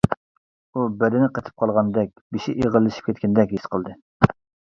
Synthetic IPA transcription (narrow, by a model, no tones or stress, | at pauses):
ubɛd̪ɪnɪqʰət̪ʰɪ̥p̚qʰɑlˠʁɑnd̪ɛk̚ʲbiʃiʔeʁəlˠːɨʃi̥pkʲʰɛt̪kʲɛnd̪ɛkʲjysqəlˠd̪ɨ